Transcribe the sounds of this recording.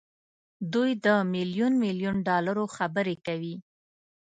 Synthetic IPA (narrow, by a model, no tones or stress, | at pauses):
d̪ujd̪əmɪljunmiljunɖɑlaɾoxabəɾekawi